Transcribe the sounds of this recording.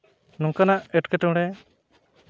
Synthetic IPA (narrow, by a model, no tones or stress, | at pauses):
nɔŋkanaʔɛʈkɛʈɔ̃ɽɛ